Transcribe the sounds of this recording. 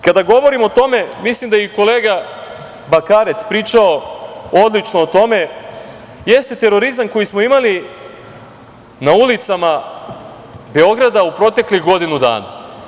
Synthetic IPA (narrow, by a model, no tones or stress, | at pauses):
kad̪aɡo̞ʋo̞ɾimo̞t̪o̞me̞mislimd̪ajeko̞le̞ːɡa | bakaɾe̞t̪spɾiːt͡ʃao̞o̞d̪lit͡ʃno̞ːt̪o̞me̞ | je̞st̪e̞t̪e̞ɾo̞ɾizamko̞jismo̞imali | naulit̪sama | be̞o̞ɡɾad̪aupɾo̞t̪e̞klixɡo̞d̪inud̪a̰ːna̰